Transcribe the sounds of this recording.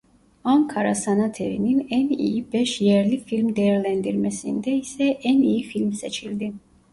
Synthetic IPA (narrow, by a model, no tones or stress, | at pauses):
amkʰaɾa̰sanat̪ʰɛvḭninɛnḭibɛʃjɛɾlifilmd̪ɛɾlɛnd̪iɾmɛsḭnd̪ɛisɛʔɛniifilmsɛt͡ʃʰild̪i